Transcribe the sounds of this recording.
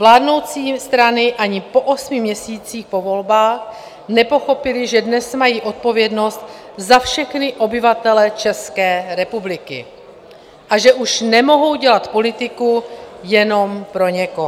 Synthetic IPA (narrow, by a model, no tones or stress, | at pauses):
vlaːdno̞wt͡siːst̪ɾanɪʔaɲɪpo̞ʔo̞smɪmɲɛsiːt͡siːxpo̞vo̞lbaːx | nɛpo̞xo̞pɪlɪʒɛdnɛsmajiːʔo̞t̪̚po̞vjɛdno̞st̪ | zafʃɛxnɪʔo̞bɪvat̪ɛlɛt͡ʃɛskɛːɾɛpublɪkɪ̰ | ʔaʒɛʔuʃnɛmo̞ɦo̞wɟɛlat̪po̞lɪt̪ɪkujɛno̞mpɾo̞ɲɛko